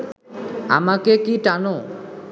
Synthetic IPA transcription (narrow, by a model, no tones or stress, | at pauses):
a̰makekiʈano